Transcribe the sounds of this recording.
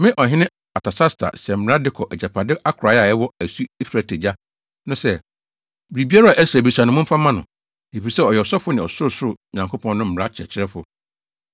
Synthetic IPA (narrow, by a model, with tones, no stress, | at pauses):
mɪ̃˦ʔɔ˨ɦɪ̃˦nɪ̃˦ | a˨tʰa˨sa˦stʰa̰˨sɛ˨m̩˨m˨ɾa˦dɪ˦kʰɔ˨ʔɛ˨d͡ʑa˨pʰa˨dɪ˦ʔa˦kʰʊ˨ɾa˨˦ja˨ɛ˦wɔ˦æ˨su˦i˦fa˨tʰe˨d͡ʑa˦ | nʊ̃˦sɛ˦ | bɾi˨bi˦a˦ɾa˦˨ʔæ˦sɾa˨bi˨sã˨n˨ʊ̃˨˦mʊ̃˦m̩˦fa˦mã˦nʊ̰̃˨ | e˨fi˨sɛ˦ɔ˨jɛ˨ɔ˨sɔ˦fʊ˦nɪ̃˨ɔ˨sʊ˦ɾʊ˦˨sʊ˦ʊ˦˨ɲã˨ŋkʰo˦pʰɔ̃˦nʊ̃˦m̩˦˨ɾa˦t͡ɕʰɪ˨ɛ̰˨t͡ɕʰɪ˦ɾɛ˦fʊ̰˨